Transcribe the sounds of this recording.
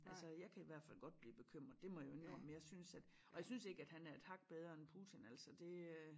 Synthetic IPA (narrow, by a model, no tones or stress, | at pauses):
ʔælsəjɑ̈ɪkʰæiʋæɐd̥fæl̰ɡ̥ɒ̽d̥̚b̥lḭːb̥e̝kʰøm̰ʁɐðˠd̥e̝mɒ̽jend̥ɑmmjɑ̈ɪsynsæd̥ | ɒjɑ̈ɪsynse̝ɡ̥əæd̥hænæɐe̝d̥hɑ̈ɡ̥̚b̥eð̞ˠɐenpʰuːt͡sʰinæl̰sɒd̥e̝